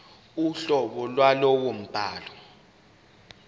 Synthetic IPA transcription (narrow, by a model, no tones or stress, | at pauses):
uɬɔɓɔlwalɔwom̩b̥ʱaːlɔ